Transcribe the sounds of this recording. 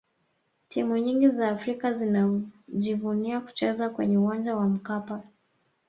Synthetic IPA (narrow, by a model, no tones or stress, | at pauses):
tʰimuɲiŋɡizaːfɾikazinaʄivuniaku̥t͡ʃɛzakwɛɲɛuwand͡ʒawam̩kapa